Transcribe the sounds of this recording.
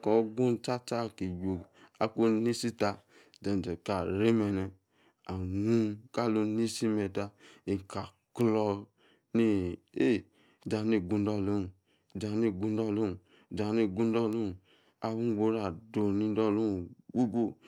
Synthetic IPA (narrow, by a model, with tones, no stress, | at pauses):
kɔ˨ɡũ˦t͡ʃa˦t͡ʃa˦˨ki˨d͡ʒo˨a˦ko˦ni˦si˦ta˧˨ | d͡ʒɛ˨n˨d͡ʒɛ˨ka˨ɾe˦mɛ˧nɛ˨ | a˨nũ˦ka˦˨lo˧ni˦si˦mɛ˧ta˧i˨ka˨ | klɔ˧ | ni˦e˦˨ | d͡ʒa˨˦ni˦˨ɡũ˨˧n˦dɔ˦˨lo˦˨ | d͡ʒa˨ni˦˨ɡũ˦n˦dɔ˦˨lo˦˨ | d͡ʒa˨ni˦˨ɡũ˦dɔ˦˨lu˦˨ | a˧wu˦ɡo˧˦ɾa˦˨do˨ni˦dɔ˦˨lu˦˨ɡu˦ɡo˦